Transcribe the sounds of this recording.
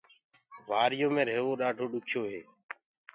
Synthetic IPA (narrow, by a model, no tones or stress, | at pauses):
ʋaːɾɪjõːmẽːɾeːʋoːɗaːɖʱoːɗʊkʰjoːɦeː